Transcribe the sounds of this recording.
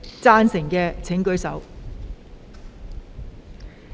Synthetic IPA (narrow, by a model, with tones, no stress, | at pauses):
t͡saː˥nsɪ˨˩ŋkɛː˧t͡sʰɪ˨˥ŋkɵ˨˥ɥsɐ˨˥w